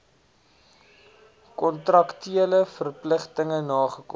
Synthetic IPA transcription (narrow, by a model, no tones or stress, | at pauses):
kɔntrɐktiələfərpləχtəŋənɑːχəkɔ̰